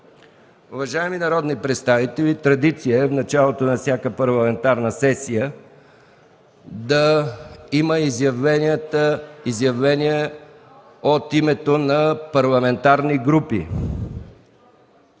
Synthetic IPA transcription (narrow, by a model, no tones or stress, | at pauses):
ʊvɐʒaɛminɐɾɔd̪nipɾɛt̪st̪avit̪ɛlʲit̪ɾɐd̪it̪sijəɛfnɐt͡ʃalˠot̪onɐfsʲjakəpɐɾlˠɐmɛnt̪aɾnəsɛsijə | d̪ɐ | iməizjɐvɛniət̪əizjɐvlɛniɛ | ot̪imɛt̪onɐpɐɾlˠɐmɛnt̪aɾniɡɾupḭ